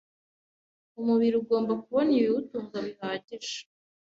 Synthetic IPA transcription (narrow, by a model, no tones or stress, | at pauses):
umuβiɾiuɡo̞ːmbak̚uβonijiutuːŋɡamihaːɟiʒḁ